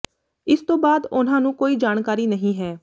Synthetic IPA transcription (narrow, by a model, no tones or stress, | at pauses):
ɪst̪õːbaːd̪ʊnãːnũːkoːiːd͡ʒaːɳkaːɾiːnəɦĩːɦɛː